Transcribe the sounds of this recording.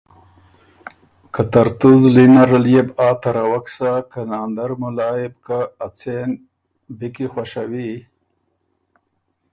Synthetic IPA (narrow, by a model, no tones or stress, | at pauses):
kat̪aɾt̪uzlinaɾaljebɑːt̪aɾawaksakanɑːnd̪aɾmʊlɑːjɪbkaːt͡sen | bikixwaʃawi